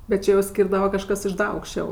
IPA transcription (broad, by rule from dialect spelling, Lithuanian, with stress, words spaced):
bʲɛt ˈt͡ʃʲɛ jɛʊ ˈsʲkʲiːrdɐʋɐ kɐʃˈkɐs ɪʃ ˈdɐ ɐʊkʃʲˈt͡ʃʲɛʊ